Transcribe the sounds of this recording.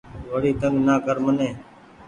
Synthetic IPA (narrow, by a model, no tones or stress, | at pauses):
ʋəɽiːt̪əŋɡnaːkəɾmənẽː